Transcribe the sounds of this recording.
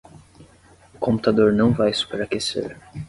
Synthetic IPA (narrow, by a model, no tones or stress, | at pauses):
ʊkõmput̪ad̪oɾnɐ̃w̃vajsu̥peɾakesḛɾ